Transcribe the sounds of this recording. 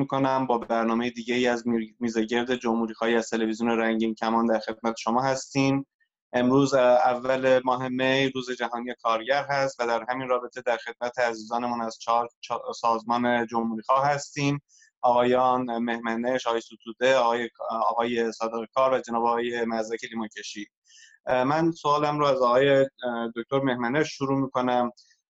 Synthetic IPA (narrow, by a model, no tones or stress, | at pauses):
mikʰo̞næmbɒːbbæɾnɒːme̞jed̪iːɟeiːæzmiːzeɟe̞ɾd̪e̞d͡ʒomhuːɾiːxɒːhiːæzt̪ʰe̞levizijuːneɾæŋɟiincʰæmɒːnd̪æɾxe̞d̪̥̚mæt̪ʰeʃo̞mɒːhæst̪iːm | ʔe̞mɾuːzævːælemɒːɦe̞mejɾuːze̞d͡ʒæɦɒːnijekʰɒːɾɟæɾɦæst̪væd̪æɾɦæminrɒːbe̞t̪ʰe̞d̪æɾxe̞d̪̥̚mæt̪ʰeæziːzɒːne̞muːnæz̥t͡ʃʰːɾt͡ʃʰsɒːzmɒːne̞d͡ʒo̞mhuːɾiːxɒːhhæst̪iːm | ɒːɣɒːjɒːnme̞hmæneʃɒːɣɒjesot̪ʰuːd̪e̞ːjeɒ̰ːɣɒːje̞sɒːd̪eɣekʰɒːɾvæd͡ʒe̞nɒːbeɒːɣɑːje̞mæzɾæce̞liːmɑcʰeʃiː | mænsoɑːlæmɾoæzɒːɣɑːjed̪oc̚t̪o̞ɾme̞hmæneʃʃuɾuːmiːko̞næm